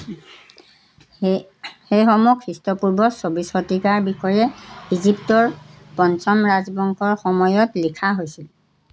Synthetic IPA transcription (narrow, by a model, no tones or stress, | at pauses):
xejxɔmukʰːɹistɔpuɹbɔsobisxotikaɹbixɔjɛiziptɔɹ | pɔnsɔmɹazbɔŋkʰɔɹxɔmɔjɔtlikʰaɦojsil